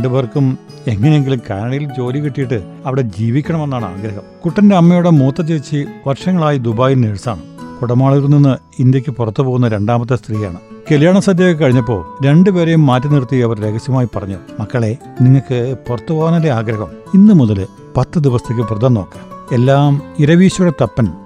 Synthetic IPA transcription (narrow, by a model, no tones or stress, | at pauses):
ɳɖɨʋɐrkːum | e̞ŋːɐnejeŋɡilumkaːɾɐɳɐjilt͡ɕo̞ːlikiʈːijiʈːɨ | ɐʋiɽe̞d͡ʑiːʋikʲːɐɳɐme̞nːaːɳɨa̰ːɡɾɐɦɐmkuʈːɐnde̞ɐmːɐjouɽemuːt̪ːɐt͡ɕːiʋit͡ɕːiʋɐrʂɐŋːɐɭaːjid̪ubaːjilneɻsaːɳɨpuɽɐmaːɭiɾuninːɨ | ind̪jɐkʲːɨpurɐt̪ːupo̞ːɣunːɐɾe̞ɳɖaːmɐt̪̬ːest̪riːja̰ːɳɨkeljaːɳɐsɐd̪jekːɨkɐɻiɲːɐp̬ːo̞̰ːɭɾe̞ɳɖɨʋe̞ːɾejumːaːtːɐnirut̪ːiɐʋɐɾɾeːɡɐsjɐmaːjipɐrɐɲːumɐkːɐɭe̞ | niŋːɐɭkɨpurɐt̪ːupoɣɐnɐleaːɡɾɐɦɐminːɨmuðɐlɨ | pɐt̪ːɨd̪iʋɐst̪ʰek̬ʲːɨprɐd̪ɐnːoːkːḁːme̞lːaːmiɾɐʋiːɕɐjuɽet̪ɐpːɐn